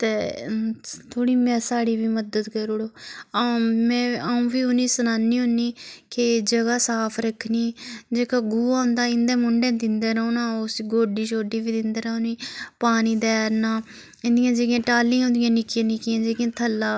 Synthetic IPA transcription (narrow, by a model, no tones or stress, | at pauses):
t̪eː | t̪ʰoːɽiːmɛ̃ːsaːɽiːʋiːməd̪əd̪kəɾoɽoːaːmɛ̃ːaːũːbiːʊnĩːsənaːnːiːɦʊnːiːkɪd͡ʒəɡaːsaːpʰɾəkʰːniːd͡ʒeːkaːɡuːaːʊ̃nd̪aːɪnd̪ẽːmʊɳɖẽːd̪ɪnd̪eːɾəõːnaːosɡoːɖiːt͡ʃoːɖiːʋiːd̪ɪnd̪eːɾəõːniːpaːniːd̪ɛːɾnaː | ɪnd̪ɪjãːd͡ʒeɡjãːʈaːlĩːɦõnd̪ɪjãːnɪkijãːnɪkɪjãːd͡ʒeːɡãːt̪ʰəlːaː